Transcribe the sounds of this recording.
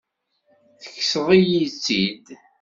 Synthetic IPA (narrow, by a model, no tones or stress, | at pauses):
θə̥kːsəðˤijit͡sːid̪